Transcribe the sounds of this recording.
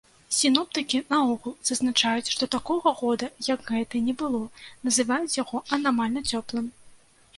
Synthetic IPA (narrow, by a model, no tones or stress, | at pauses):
sʲinɔp̚t̪ɨkʲinɐɔɣulˠz̥ɐznat͡ʂajut͡sʲʂt̪ɔt̪akɔɣɐɣɔd̪ɐjɐɡɣɛt̪ɨnʲɛbɨlˠɔnɐzɨvajut͡sʲjaɣɔɐnamalʲnɐt͡sʲɔplˠɨm